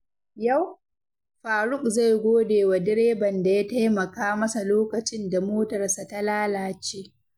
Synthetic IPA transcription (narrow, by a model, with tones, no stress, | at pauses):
ja˦˨w | ɸaː˨ɽʊ˦k̚za˦˨jɡʷoː˦deː˨wa˨dɪ˦ɽeː˦bɐ˨nda˨ja˦ta˦jmɐ˨kaː˦mɐ˦sa˨loː˦kɐ˨t͡ʃɪ˦nda˨moː˦tɐ˨rsa˨ta˦laː˦laː˨t͡ʃeː˦